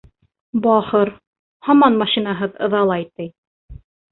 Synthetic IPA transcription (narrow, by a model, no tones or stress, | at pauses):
bɑχɤɾ | hɑmɑnmɑʃinɑɦɤðɤ̰̆ðɑlˠɑjt̪ɘj